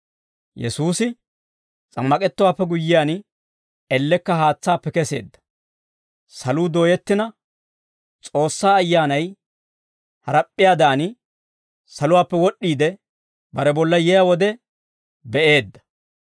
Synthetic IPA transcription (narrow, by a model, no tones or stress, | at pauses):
jɛ̰suːsɪ | t͡sʼɐmːɐkʼɛt̪ːʊwaːpːɛɡʊjːɪjaːn | ɛlːɛkːɐhaːt͡sːaːpːɛkɛse̞̰ːd̪ːɐ̥ | sɐluːd̪o̞ːjɛt̪ːɪnɐ | t͡sʼo̞ːsːaːjːaːnɐj | hɐɾɐpʼːɪjaːd̪aːnɪ | sɐlʊwaːpːɛwɔɗːiːd̪ɛ | bɐɾɛbɔlːɐjɛjawɔd̪ɛ | bɛʔe̞ːd̪ːɐ̥